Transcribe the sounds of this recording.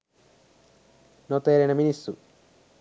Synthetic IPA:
not̪eːɾenɐminisṵ

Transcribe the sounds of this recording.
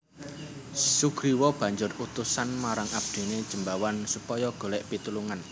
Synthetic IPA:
suɡ̥ɾiwɔb̥ä̤ɲd͡ʒʊrut̪usanmaɾaŋʔab̥̚d̪̥i̤ne̥d͡ʒ̥əmbawansupɔjɔɡ̥o̤lɛʔpit̪uluŋan

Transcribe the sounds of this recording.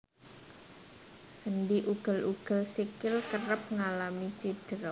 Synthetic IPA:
sənɖiʔuɡ̥ə̤lʔuɡ̥ə̤lsikɪlkəɾəp̚ŋalamit͡ʃid̥əɾɔ

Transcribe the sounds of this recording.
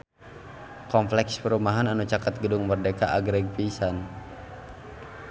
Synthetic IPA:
kɔmflɛkspəɾumaɦananut͡ʃakat̪̚ɡədʊŋmərdekaʔaɡɾɛɡ̚pisan

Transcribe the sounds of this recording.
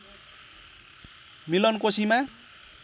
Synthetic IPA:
milʌnkosima

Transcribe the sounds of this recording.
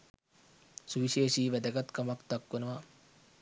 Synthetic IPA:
suʋiʃeːʃiːʋɛd̪ɐɡat̪kɐmakt̪akʋɐnəʋa

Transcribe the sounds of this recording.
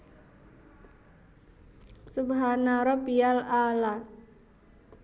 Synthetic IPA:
subɦanaɾɔbialala

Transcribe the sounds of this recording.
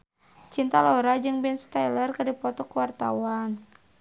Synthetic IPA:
t͡ʃint̪alɔɾad͡ʒɨŋbɛnst̪alərkadipɔt̪ɔkuwart̪a̰wan

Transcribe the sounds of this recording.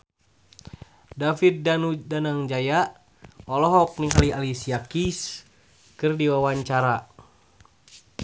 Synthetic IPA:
dafit̪̚danudanaŋd͡ʒaja | ɔlɔɦɔk̚niŋalialisiakis | kɨrdiwawaɲt͡ʃaɾa

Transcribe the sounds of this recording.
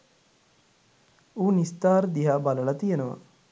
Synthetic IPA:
uːnist̪aːɾd̪iɦaːbaləlat̪ijenəʋa̰

